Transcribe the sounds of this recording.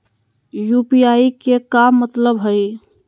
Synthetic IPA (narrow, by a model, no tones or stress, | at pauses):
jupijaikekamːət̪ləbɦəj